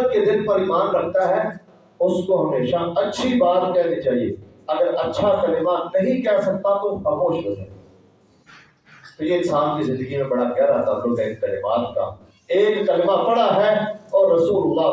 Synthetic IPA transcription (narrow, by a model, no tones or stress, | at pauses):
t̪̚ked̪ɪnlpɐɾiːmaːnɾɐk̚t̪aɦɛ | ʊskoɦɐmeːʃaɐtːʃʰibaːt̪kɛɦnit͡ʃaːɦie | ɐɡəɾɐtːʃʰakɐlɪmanɐɦĩkɛɦsɐk̚t̪at̪oxɐmoːʃbɐd͡ʒaː | t̪ojeɪnsaːnkizɪ̃nd̪əɡimẽbɐɽakɛɦɾɐɦt̪abloɡɛkkɐlɪmaːt̪̚ka̰ː | eːkːɐlɪmabɐɽaɦɛɔːɾːɐsuːlʊlːa